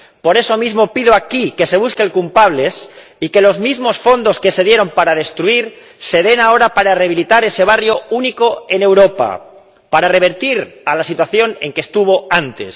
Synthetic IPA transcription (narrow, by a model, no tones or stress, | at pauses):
po̞ɾe̞so̞mizmo̞piðoakike̞se̞β̞uskelkulpaβ̞le̞s | ike̞lo̞zmizmo̞sfo̞nd̪o̞ske̞se̞ðje̞ɾo̞mpaɾað̞e̞st̪ɾuiɾ | se̞ðe̞nao̞ɾapaɾareaβilit̪aɾe̞se̞β̞arjo̞uniko̞e̞ne̞wɾo̞pa̰ | paɾare̞β̞e̞ɾt̪iɾalasit̪waθjo̞ne̞ŋkest̪uβo̞ant̪e̞̰s